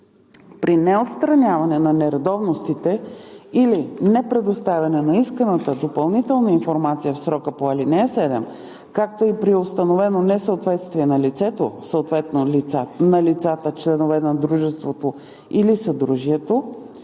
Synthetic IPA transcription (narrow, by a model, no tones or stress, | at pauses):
pɾinɛot̪st̪ɾɐnʲavɐnɛnɐnɛɾɐd̪ɔvnost̪it̪ɛilinɛpɾɛd̪ost̪avʲɐnɛnɐiskənət̪əd̪opɐlˠnit̪ɛlˠnəinfoɾmat̪sijəfsɾɔkəpoɐlinɛɛsɛd̪ɛm | kakt̪oipɾiost̪ɐnovɛnonɛsəot̪vɛt̪st̪viɛnɐlit̪sɛt̪osəot̪vɛt̪nonɐlit̪sat̪ət͡ʃlɛnovɛnɐd̪ɾuʒɛst̪vot̪o | ilisɐd̪ɾuʒiɛt̪o